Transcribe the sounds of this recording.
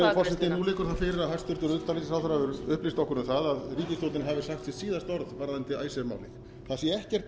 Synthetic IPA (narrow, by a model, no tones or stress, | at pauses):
fɔlsɛht̪ɪnulɪːkʏɾ̥θaðfɪːɾɪɾaðɦast̪ʏɾ̥t̪ʏɾʏt̪alisɪsawθɾavʏɾʏhplist̪ɔhkːʏɾnʏmθaðaðriːcɪst̪owt̪ɪnɦavɪsaxt̪sɛsiːðast̪ɔɾðvaɾðant̪ɪaːjsɛma̰wlɪ̰ɣ | θaðsjɛɛhcɛr̥t̪